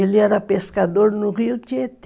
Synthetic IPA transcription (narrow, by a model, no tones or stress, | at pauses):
eliɛɾapeskad̪oɾnʊriut͡ʃet̪